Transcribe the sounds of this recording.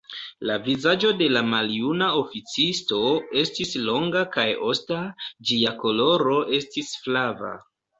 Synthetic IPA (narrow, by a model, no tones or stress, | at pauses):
lavizad͡ʒo̞de̞lamaljunao̞fit͡sisto̞e̞stislo̞ŋɡakajo̞stad͡ʒiako̞lo̞ɾo̞ʔe̞stisflava̰